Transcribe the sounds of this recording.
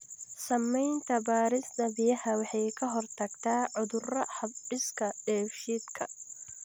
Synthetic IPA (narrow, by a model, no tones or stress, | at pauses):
sɐmːɛjnt̪ʰɐbaːɾɪsd̪ɐbɪjɐhɐwɑħɑjkʰɐɦɔrt̪ʰɐɡt̪ʰaːʕʊðʊrɐhɐbɪskʰɐɖɛːfʃid̪kʰɐ